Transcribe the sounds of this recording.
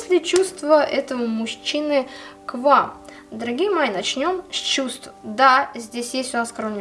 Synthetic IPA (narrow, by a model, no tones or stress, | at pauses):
sʲlʲɪt͡ɕust̪vəʔɛt̪əvəmʊɕːinɨkvam | d̪əɾɐɡʲijəmɐjinɐt͡ɕnʲo̞msʲt͡ɕust̪vəd̪azʲdʲesʲjesʲtʲʊnaskɾonmʲ